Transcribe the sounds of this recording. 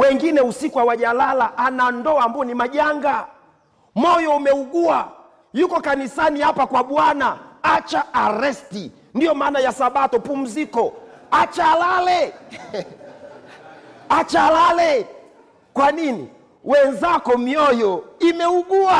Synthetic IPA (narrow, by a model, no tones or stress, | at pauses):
wɛŋɡinɛusikuawaʄalalaʔanandɔambuɔnimaʄaŋɡa | mɔjɔumɛuɡua | jukɔkanisanihapakwaɓwanaat͡ʃaːɾɛsti | ndijɔmaːnajasaɓatɔpum̩zikɔat͡ʃalalɛ | at͡ʃalalɛ | kwaninḭ | wɛnzakɔmiɔjɔimɛuɠua